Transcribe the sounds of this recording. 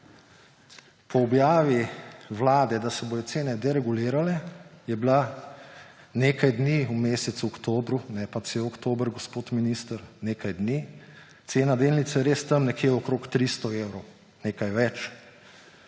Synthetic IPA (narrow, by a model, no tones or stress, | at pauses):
pɔːbjaːʋiʋlaːd̪ɛd̪asɛboːjɔt̪seːnɛd̪ɛɾɛɡuliːɾalɛjɛbila | neːkajd̪niumeːsɛt̪suɔkt̪oːbɾunɛpat͡ʃɛɔkt̪oːbəɾɡɔspoːt̪minist̪əɾneːkajd̪ni | t̪seːnad̪eːlnit̪sajɛɾeːst̪əmnɛkʰjeːɔkɾoːkt̪ɾist̪ɔeːwɾɔw | neːkajʋɛt͡ʃ